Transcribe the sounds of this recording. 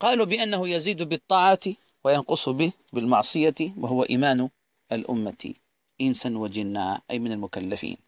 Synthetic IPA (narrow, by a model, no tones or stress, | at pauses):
qɑːlubɪʔanːahujaziːd̪bɨt̪ˤːɑːʕɑt̪ | wajɑnqʊsˤbɪ | bɪlmɑʕsˤɨjawaɦʊwaʔḭːmaːn | ʔalʔʊ̰mːat̪ḭ | ʔɪnsanwad͡ʒɪnːaːʔajmɪnalmʊkalːafḭːn